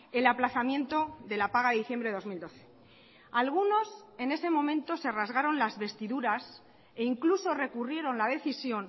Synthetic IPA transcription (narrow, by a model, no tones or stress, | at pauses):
e̞laplaθamjẽ̞nt̪o̞ðe̞lapaɣaðeðiθje̞mbɾeo̞zmild̪o̞θe̞̥ | alɣ̞uno̞s | e̞ne̞se̞mõ̞mẽ̞nt̪o̞se̞razɣaɾo̞nlazβe̞st̪iðuɾas | e̞iŋkluso̞re̞kurje̞ɾo̞nlaðe̞θisjo̞n